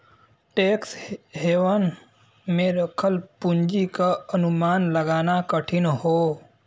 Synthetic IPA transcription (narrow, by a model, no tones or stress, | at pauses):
ʈeːksɦeːʋən | mẽɾəkʰəlpʊɲd͡ʒikaənumaːnləɡaːnakəʈʰinɦoː